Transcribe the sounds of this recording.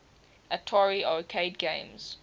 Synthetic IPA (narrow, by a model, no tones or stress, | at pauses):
ʔətʰɔɹiokʰeɪdɡḛ̃ɪ̃mz̥